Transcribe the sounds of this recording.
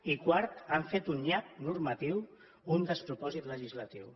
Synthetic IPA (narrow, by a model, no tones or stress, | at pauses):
ikwaɾt̪aɱfet̪unʎak̚nuɾmat̪iw | und̪əspɾupɔzit̪ləʒizlat̪iw